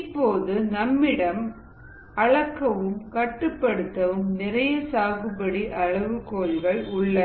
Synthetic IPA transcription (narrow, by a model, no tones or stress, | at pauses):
ɪpːoːðɯnɐmːɪɽɐm | ɐɻɐkːɐʋɯmkɐʈːɯpːɐɽɯt̪ːɐʋɯmnɪrɐjɐsaːɣɯpɐɽiʔɐɻɐʋɯkːoːlɣɐɭʊɭːɐ